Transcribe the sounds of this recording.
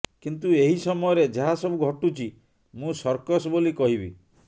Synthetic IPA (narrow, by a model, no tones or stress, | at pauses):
kint̪ueɦisɔmɔjɔɾed͡ʒeɦasɔbuɡʱɔʈut͡ʃʰi | mũsɔɾkɔsɔbolikɔɦibḭ